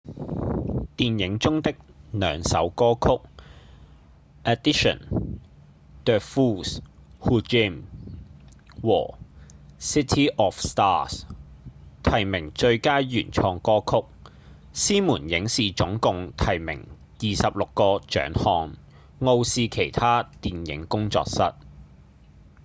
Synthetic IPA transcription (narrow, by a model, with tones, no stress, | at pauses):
t̪iː˨njɪ˨˥ŋt͡sʊ˥ŋt̪ɪ˥k̚nœː˨˧ŋsɐ̰˨˥wkɔː˥kʰʊ˥k̚ | ɛ˨d̪i˥ʃɔ̰˨˩n | d̪̥ə˨˧fuː˥shuː˧˥t͡ʃi˥m | wɔ̰ː˨˩ | si˥t̪ʰiː˥ʔɔː˨fst̪aː˥s | t̪ʰɐ˨˩jmɪ˨˩ŋt͡ʃɵ˧ɥkaː˥jɥyː˨˩nt͡ʃʰɔː˧ŋkɔː˥kʰʊ˥k̚ | siː˥muː˨˩njɪ˨˥ŋsiː˨t͡ʃʊ˨˥ŋkʊ˨ŋt̪ʰɐ˨˩jmɪ̰˨˩ŋ | jiː˨sɐ˨p̚lʊ˨kːɔː˧t͡ʃœ̰ː˨˥ŋhɔː˧ŋ | ŋo˧wsiː˧kʰe˨˩jt̪ʰaː˥t̪iː˨njɪ̰˨˥ŋkʊ˥ŋt͡sɔ̰ː˧k̚sɐ˥t̚